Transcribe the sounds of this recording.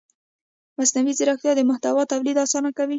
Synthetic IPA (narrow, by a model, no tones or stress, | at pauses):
masnawizɪɾaxt̪jɑd̪əmʊht̪awɑt̪awlid̪ɑsɑnakawi